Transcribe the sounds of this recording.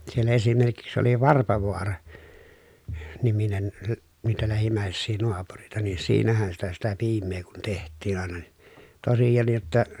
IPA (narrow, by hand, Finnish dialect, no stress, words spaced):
siel esimerkiks oli ʋɑrpɑʋoɑrɑ niminen læ niːtæ læhimˑæˑesːiː noɑpurĕitɑ niː siːnæhæn sitæ sitæ piːmˑeː kun tehtˑiːn ɑˑenɑ ni tosijɑnːij jotːɑ